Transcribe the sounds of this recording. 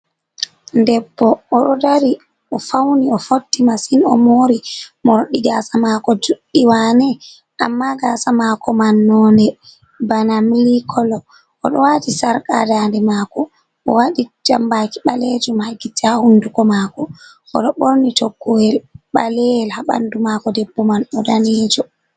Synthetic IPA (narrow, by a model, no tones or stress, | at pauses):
ndɛbːɔʔɔɗɔdaɾi | ʔɔfawniɔfotːimasinɔmoːɾimɔɾɗiɡaːsamakɔd͡ʒuɗːiwanɛ | ʔamːaɡasamakɔmanːɔndɛ | banamlikʰɔlɔ | ɔ̰ɗɔ̰watisaɾka̰dandɛmaːkɔ | ʔɔ̰waɗid͡ʒambakiɓaled͡ʒumhaɡitːihahundukɔmakɔ | ɔ̰ɗɔɓoɾnitʰɔɡːɔhɛlɓa̰lɛɛlhaɓa̰ndumakɔdɛbːɔmanɔdanɛːd͡ʒɔ